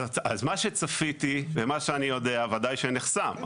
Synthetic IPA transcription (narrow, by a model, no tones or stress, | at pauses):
azmaʃet͡safit̪ivemaʃeanijo̞deavadajʃeniχsam